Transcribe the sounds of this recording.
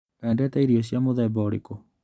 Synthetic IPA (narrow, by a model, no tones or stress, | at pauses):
ɛndɛtaiɾiɔɕ̬iamoðɛbɔɾḭkɔ